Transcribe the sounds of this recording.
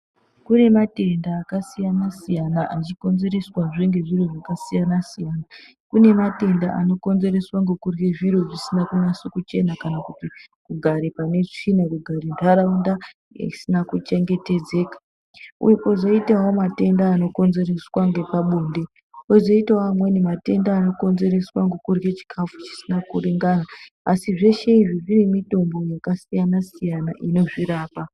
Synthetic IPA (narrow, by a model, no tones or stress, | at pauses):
kune̞mate̞ndaːkasijanasijanaat͡ʃiko̞nze̞ɾe̞swaʐeŋɡe̞ʐiro̞ʐakasijanasijaːna | kune̞mate̞ndaʔa̰no̞ko̞nze̞re̞swaŋɡekurweʐiɾo̞ʐisinakunasukut͡ʃe̞nakanakutikuɡʱaɾepane̞inakuɡʱaɾentaɾaunda̰ | isinakut͡ʃe̞ŋɡe̞te̞d͡zeːkḁ | ṵjokoʐoitawomate̞ndaːno̞ko̞nze̞reswaŋɡe̞paɓoːnde̞ | weʐoitawoamwenimate̞ndaːno̞ko̞nze̞ɾe̞swaŋɡekurɡet͡ʃi̥kʰafu̥t͡ʃi̥sinakuriŋɡanaː | siʐe̞ʃe̞iʐiʐine̞mito̞mbo̞jakasijanasijanaʔino̞ʐiɾaːpa